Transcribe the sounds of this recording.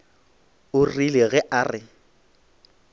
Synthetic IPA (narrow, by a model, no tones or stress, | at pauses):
ʊrileɣɛʔaːrɪ